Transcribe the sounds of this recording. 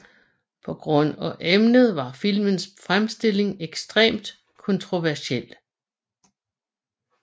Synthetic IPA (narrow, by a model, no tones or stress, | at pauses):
pʰɒ̽ɡ̥ʁɔ̽n̰ɒʔemnəð̞̩ˠʋɑ̈fil̰mənsfʁamsd̥e̝l̰e̝ŋeɡ̥sd̥ʁḛːmd̥ | kʰɔ̽nt͡sʰʁo̝ʋæɐsiel̰